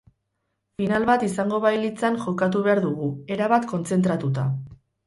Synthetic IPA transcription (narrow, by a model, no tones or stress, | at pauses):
finalβat̪isaŋɡo̞βajlit͡sanʝo̞kat̪̬uβe̞aɾðuɣue̞ɾaβat̪ko̞nt͡se̞nt̪ɾat̪ut̪a